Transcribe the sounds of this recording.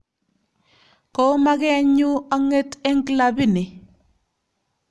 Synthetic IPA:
ko˦ma˦kɛ˦ɲu˦a˦ŋe˦te˦ŋki˨la˨bi˦ni˨

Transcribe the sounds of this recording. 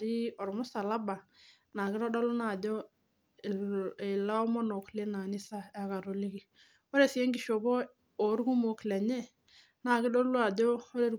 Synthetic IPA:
ɾi˦ɔ˨ɾmʊ˦sa˨la˦ba˨ | na˨ɡɪ˦ɾɔ˦dɔ˦lu˦na˨dɔ˦˨ | ɪ˨la˦ɔ˦mɔ˦no˨kle˦na˨nɪ˦sa˦a˨ka˨ɾo˨li˦ɡi˨ | o˦ɾe˦˨si˦ɛ˦ŋɡi˨ʃo˨bɔ˦ | o˨˦ɾɡu˦mo˨klɛ˨ɲɛ˦ | na˨ɡɪ˦dɔ˦lu˦a˨dɔ˦o˦ɾe˨ɾ

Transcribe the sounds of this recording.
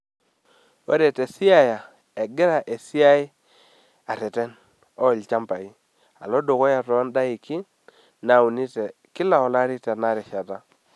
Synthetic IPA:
we˦ɾɛ˨tɛ˨sɪ˦a˦˨ja˨ | ɛ˨ɡɪ˦ɾa˨ʔe˨si˦a˦ɪ˦ | a˨tɛ˨tɛ˦n | ɔ˦˨lt͡ʃa˦mpa˨i˦ | a̰˨lɔ˦do˨kɔ˦ja˨tɔ˨˦nda˦i˨ki˦ | na˨u˨ni˦tɛ˨ | kɪ˦la˨ɔ˨la˦ɾi˦tɛ˨na˦ɾɪ˨ʃa˨ta˦

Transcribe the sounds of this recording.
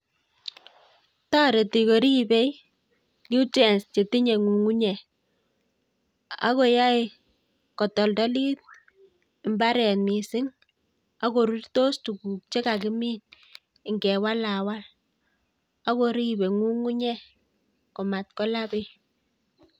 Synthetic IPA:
tɔ˦ɾe˨ti˨ko˨ɾi˦be˦j | nu˦tɛ˨nst͡ʃe˨ti˦ɲe˨ŋu˨ŋu˦ɲɛ˨ | a̰˦ko˨ja˦e˨ | kɔ˨tɔ˨ldɔ˦li˦t̚ | ɪ˨mba˦ɾɛ˨nmi˨sɪ˦ŋ | a˦ko˨ɾu˦rto˦stu˨ku˨k̚t͡ʃe˦ka˨kɪ˦mi˦n | ɪ˨ŋɡɛ˨wa˦la˨wa˦l | a˦ko˦ɾi˦be˨ŋu˦ŋu˦ɲɛ˦ | kɔ˨ma˨t̚kɔ˦la˦bɪ˦

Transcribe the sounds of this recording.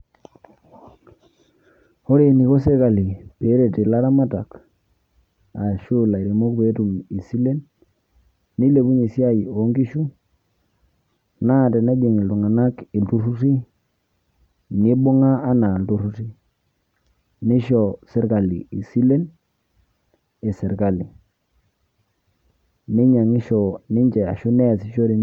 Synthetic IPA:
ho˦ɾe˨ni˨ko˦s̬e˦ɾka˨li˨pe˨˦ɾe˨ti˨la˦ɾa˦ma˦ta˨k | a˨ʃu˦la˨i˨ɾe˨mo˦kbe˨˦tu˨mi˨si˦le˦n | i˦le˨bu˦ɲi˨si˦a˦jo˦ŋɡi˦ʃu˦ | na˦˨te˨na˦d͡ʒe˨ŋi˨ltu˨ŋa˨na˦ki˨ltu˦ɾu˦ti˦ | ni˦bu˦ŋaː˦na˨ldu˦ɾu˦ti˦ | ni˦ʃo˨se˦ɾka˨lḭ˨i˨si˦le˦n | e˨se˨ɾka˨li˨ | ni˦ɲa˨ŋi˦ʃo˨ni˦ɲd͡ʒe˨a̰˨ʃu˦ne˦˨si˨ʃo˦ɾi˨

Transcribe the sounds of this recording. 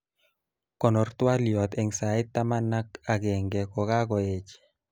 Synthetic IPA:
kɔ˨nɔ˨rt̪wa˦ljɔ˨t̪e˨ŋsa˨ɪ˦t̪ːa˦ma˦na˦ka˨ɡɛ˨ŋɡɛ˨kɔ˨ka˦kɔ˨e˦˨t͡ʃ

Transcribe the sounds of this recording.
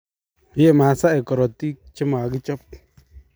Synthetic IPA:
je˦˨ma˨sa˦e˨kɔ˨ɾɔ˨t̪i˦kt͡ʃɪ˦ma˨ɡi˦t͡ʃɔ˦p̚

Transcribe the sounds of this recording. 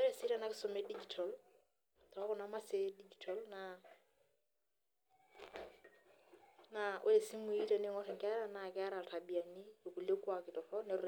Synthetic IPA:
ɛ˦ɾe˦sɪ˦ɾa˨na˦kɪsɔ˨mɛ˦di˦d͡ʒi˨tʰɔ˨l | ta˨ɔ˦kɔ˨nama˦se˦di˦d͡ʒi˨tʰɔ˨lna | naʔe˦le˨si˦mu˨i˦ta˨ne˦ŋɔ˦xɛ˨ŋka˦ɾa˦na˨kɛ˦a˦ɾa˨tʰa˨bi˨a˨ni˦jo˨ku˨le˦kwa˨kɪ˨tɔ˨fɔ˦nɛ˨ɾ

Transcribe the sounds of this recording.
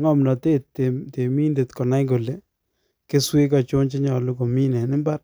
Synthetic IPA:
ŋɔ˦˨mnɔ˨te˦tːe˨te˨mi˦nde˨tkɔ˨na˦jko˨le˦ | ke˦swɪ˦kɔ˨t͡ʃʊ˦nt͡ʃe˦ɲɔ˨lʊ˦ko˨mi˦nɛ˨nɪ˦mba˦r

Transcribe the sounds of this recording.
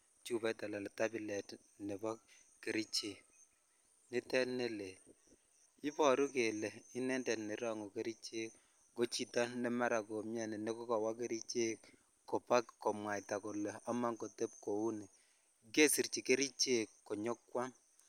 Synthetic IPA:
t͡ʃu˦bɛ˦ta˨la˨lta˦bi˨lɛ˨t | nɛ˨bɔ˦ | ke˨ɾi˦t͡ʃe˨k̚ | ni˦tɛ˦ne˦le˨ | i˦pɔ˨ɾu˦ke˨lɛ˨i˦nɛ˦ndɛ˨ni˨ɾa˦˨ŋo˨ke˦ɾi˦t͡ʃe˦k | ɡo˦t͡ʃi˨ta˦nɛ˦ma˦ɾa˨ko˨mja˨nɛ˨nɛ˦kɔ˦ka˨wa˦ke˦ɾi˦t͡ʃe˦k | ko˨pa˦kkɔ˨mwa˨jta˨ko˨lɛ˨a˦ma˦ŋko˨tɛ˦p̚ko˨u˦ni˨ | ke˦si˨ɾt͡ʃi˨ke˦ɾi˦t͡ʃe˦˨kːo˨ɲɔ˦kwa˦

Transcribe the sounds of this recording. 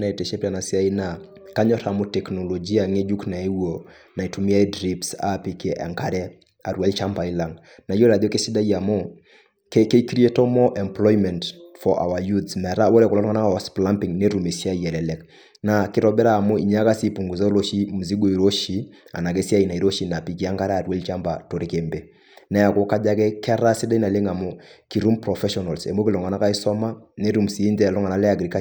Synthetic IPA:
na˨ɛ˨tɛ˨ʃe˦pia˨na˨si˦a˦i˦na˨ | ka˦ɲɔ˦ɾa˨mo˦tɛ˨knɔ˨lo˨d͡ʒi˦a˨ŋe˦d͡ʒu˦kna˨e˦wo˨ | na˨i˨tu˨mi˦a˦i˦dɾi˦psa̰˦pi˦ke˦ʔa̰˨ŋka˦ɾɛ˦ | a˨ɾwa˦lt͡ʃa˦mpa˨ila˨ŋ | na˨i˦jo˦ɾa˨ði˦o˦ke˦si˦da˦i˦a˨mɔ˦ | kke˦i˦kɾi˦e˦to˦mɔ˦ʔɛ˨mplɔ˦jmɛ˨ntfɔ˨ʔa̰˨wa˨judsmɛ˨ɾa˦wɔ˦ɾɛ˦kulɔ˦ɾŋa˦na˦a˨spla˦mpi˨ŋne˦ɾu˨me˨si˦a˦i˨ɛ˨lɛ˨lɛk | na˨kɪ˦ɾɔ˦bɛ˦ɾaː˦˨mo˦ḭ˨ɲa˦ka˦si˦pu˨ŋɡu˨ze˦lo˦ʃi˦mu˨zi˦ɡo˦i˨ɾo˦ʃi˨˦a̰˨na˨ke˦si˦a˦i˨na˨i˨ɾo˦ʃi˨na˨pi˨ki˦a˦ŋɡa˦ɾa˦˨twe˦lt͡ʃa˦mba˨to˨ɾi˦ke˨mbe˦ | nɛ˦ja˨ko˦ka˦d͡ʒa˦kɛ˦kɛ˦ɾa˦si˦da˦i˦na˨le˦ŋa˨mʊ˦ki˨ɾu˦mpɾɔ˨fɛ˦ʃɔna˨lsḛ˨mo˦ki˨lɔ˨ŋa˨na˦ka˦i˦sɔ˦ma˦ne˦ɾu˨msiː˨˦ndɛ˦˨lɔ˦ŋa˨na˨˦lɛ˦a˨ɡɾi˨ka

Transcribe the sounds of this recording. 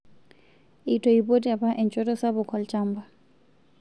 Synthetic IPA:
itʰɔipo˦tia˨pa˦ʔɛ˨nt͡ʃʼɔ˦tɔ˦sabʊ˨kʰɔ˨lt͡ʃamba˨

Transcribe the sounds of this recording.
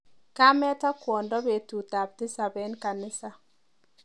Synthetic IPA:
ka˦mɛ˦tɔ˦kwɔ˨ndɔ˦be˨tu˨ta˨b̚tɪ˦sa˨bɛ˦nka˨nɪ˦sa˦

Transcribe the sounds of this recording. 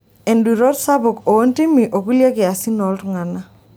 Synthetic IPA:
ɛ˨ndu˨ɾɔ˦tsa˦bʊ˨ko˨o˦nti˦mi˨ʔo˨ku˦lja˦kɪ˨a˨si˦nɔ˨˦ltŋa˨na˦

